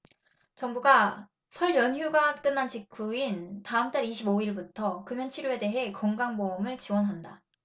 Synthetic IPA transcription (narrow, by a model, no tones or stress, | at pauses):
t͡ɕʌŋbuɡa | sʰʌɭjʌnjuɡak͈ɯnːant͡ɕikʰuintaɯmt͈aɾiɕʰiboiɭbutʰʌkɯmjʌnt͡ɕʰiɾjue̞de̞ɦe̞kʌŋɡaŋmoɯmɯɭt͡ɕiwʌnɦanda